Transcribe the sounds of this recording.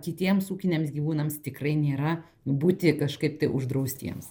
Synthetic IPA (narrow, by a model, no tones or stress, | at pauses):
kʲɪt̪ʲiɛmsuːkʲɪnʲeɛmsɡʲiʋuːnɐmst̪ʲɪkrɐɪnʲeːɾɐ | buːt̪ʲɪkɐʃkɐɪp̚t̪ɐɪʔʊʒd̪ɾɐʊsʲt̪ʲḭɛms